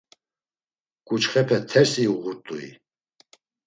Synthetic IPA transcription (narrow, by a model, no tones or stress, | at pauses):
kʼut͡ʃχɛpʰɛt̪ʰɛɾsiuʁuɾt̪ʼuḭ